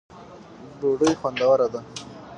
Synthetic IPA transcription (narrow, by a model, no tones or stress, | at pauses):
ɖoɖəjxwand̪awaɾad̪a